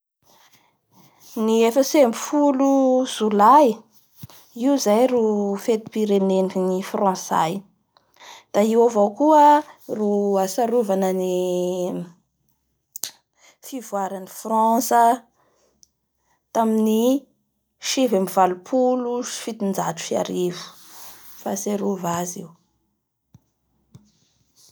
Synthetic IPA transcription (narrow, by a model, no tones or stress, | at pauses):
niefəsembi̥fuluzulaj | iuzajrufet̪i̥piɾeneniknifrɑ̃sa̰j | d̪̥aiwovawkuəruasaɾuvanəni | fivwaɾanifrɑ̃sə | t̪amini | ʃivamivalupʰuluʃi̥fit̪ind͡ʒat̪u̥fia̰ɾivu̥ | fa̰seɾuvazḭw